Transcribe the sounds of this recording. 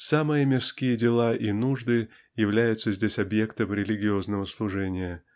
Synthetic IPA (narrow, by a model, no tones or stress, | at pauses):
samɨjəmʲɪrskʲijədʲɪlˠaʔinuʐd̪ɨ | jɪvlʲæjʊt̪səzʲdʲesʲɐbje̞kt̪əmɾʲɪlʲɪɡʲɪo̞znəvəslˠʊʐɛnʲɪjə